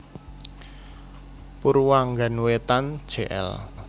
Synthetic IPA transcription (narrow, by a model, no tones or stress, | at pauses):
puɾwaŋɡanwet̪and̥ʒ̥eʔɛ̰l